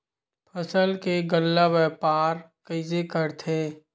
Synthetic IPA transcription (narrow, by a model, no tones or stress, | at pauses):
pʰəsəlkeɡəlːaʋɛːpaːɾkəɪzekəɾt̪ʰeː